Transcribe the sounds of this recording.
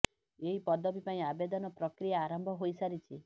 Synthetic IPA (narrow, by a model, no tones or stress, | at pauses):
eɦipɔd̪ɔbipaĩabed̪ɔnɔpɾɔkɾijaːɾɔmbʱɔɦojsaɾit͡ʃʰi